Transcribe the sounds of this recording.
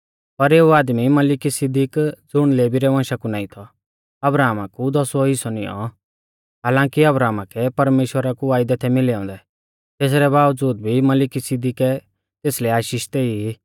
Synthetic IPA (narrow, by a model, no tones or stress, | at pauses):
pɐɾeːuaːd̪mimɐlɪkisɪd̪ɪkd͡zʊɽ̃leːbiɾɛʋãːʃakunãːĩt̪ʰɔ | ɐbɾaːmakud̪ɔsɔɪsɔnɪɔ̰ | ɦaːlãːkiɐbɾaːmakɛpɐɾmeːʃwəɾakuaːɪd̪ɛt̪ʰɛmɪlɛɔ̃ːnd̪ɛ | t̪eːs̬ɾɛbaːʋd͡zuːd̪̚bʱimɐlɪkisɪd̪ɪkɛ | t̪eːslɛaːʃiːʃt̪ɛii